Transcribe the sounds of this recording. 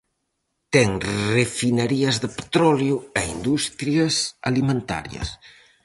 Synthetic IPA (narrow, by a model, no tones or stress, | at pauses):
t̪ɛŋrefineɾiɐzðepe̥t̪ɾɔljʊeind̪ust̪ɾjasa̰limẽnt̪a̰ɾjɐ̰s